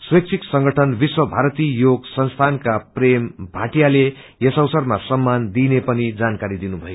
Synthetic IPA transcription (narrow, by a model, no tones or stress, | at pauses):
swek̚t͡sʰiksʌŋɡʌʈʰʌnbiswʌbʱaɾʌt̪ijoɡsʌnst̪ʰankaprembʱaʈijale | jesʌwsʌrmasʌmːand̪inepʌnid͡zankaɾid̪inubʱʌjo